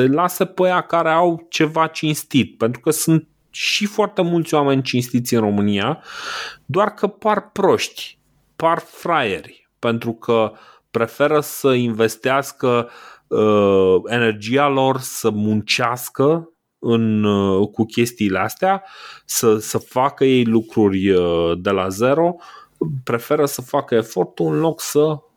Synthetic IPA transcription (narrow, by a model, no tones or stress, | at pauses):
elasəpəjakaɾe̞awt͡ʃe̞vat͡ʃinst̪it̪̚pent̪ɾukəsunt̪̚ | ʃifoart̪e̞mult̪sʲwame̞nʲt͡ʃinst̪it̪sʲɨnro̞mɨnia | d̪oarkəparpɾo̞ʃt̪ʲ | parfɾajḛrʲ | pe̞nt̪ɾukʰə | pɾe̞fe̞ɾəsəinve̞st̪easkə | e̞ne̞rd͡ʒialo̞rsəmunt͡ʃeaskə | ɨnkukʲe̞st̪iːleast̪easəsəfakəje̞jlukɾurʲd̪e̞laze̞ɾo̞ | pɾe̞fe̞ɾəsəfakəe̞fo̞rt̪uɨnlo̞ksə